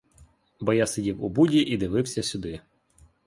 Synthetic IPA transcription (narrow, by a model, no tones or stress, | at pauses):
bɔjasedʲiwubudʲiʔid̪ɪʋɪwsʲɐsʲʊd̪ɪ